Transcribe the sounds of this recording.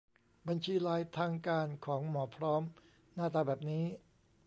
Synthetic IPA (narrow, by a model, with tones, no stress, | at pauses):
ba˧nt͡ɕʰiː˧ɾaː˧jt̪ʰaː˧ŋkaː˧nkʰɔː˩˦ŋmɔː˩˦pʰɾɔː˦˥m | naː˥˩t̪aː˧bɛː˨˩p̚niː˦˥